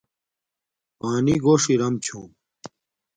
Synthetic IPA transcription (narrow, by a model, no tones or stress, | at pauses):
paːniɡoːʂiɾɐmt͡ɕʰṵ̃ːm